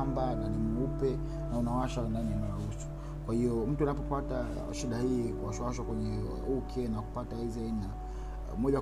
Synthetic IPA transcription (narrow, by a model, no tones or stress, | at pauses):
mbananimuupɛ | naunawaʃandaniunaɾusu̥ | kwahiɔm̩tuanapɔpata | ʃiɗahiːkuaʃawaʃakwɛɲɛ | ukʰɛnaku̥pataiziaina | mɔʄa